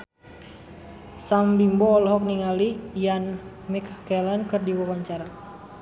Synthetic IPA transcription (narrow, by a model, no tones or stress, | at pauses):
sambimbɔːlɦɔk̚niŋalijan | mikkɛlankɨrdiwawaɲt͡ʃaɾa